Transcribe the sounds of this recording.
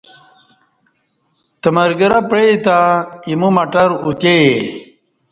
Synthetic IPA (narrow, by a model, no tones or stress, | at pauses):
t̪əmɐɾɡəɾapɾet̪aimumɐʈɐɾuke